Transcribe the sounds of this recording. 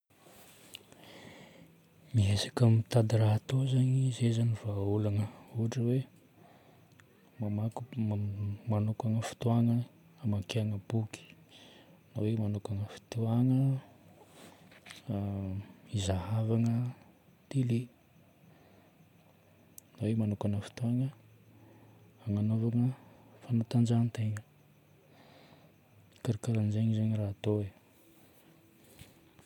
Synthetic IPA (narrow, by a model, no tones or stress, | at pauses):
miɦesḁkammit̪ad̪iɾaɦat̪ozaŋizezaniv̥aulanəuɦaʈ͡ʂəwe | mamak | manukaŋəfi̥t̪uaŋə | amakeaŋəb̥uki̥ | nawemanukaŋəfi̥t̪uaŋə | izahavaŋə | t̪ile | nawemanukanəfi̥t̪uaŋə | aŋanovaŋəfanat̪and͡ʒanit̪eŋə | kaɾikaɾanzeɲizaɲiraɦat̪oe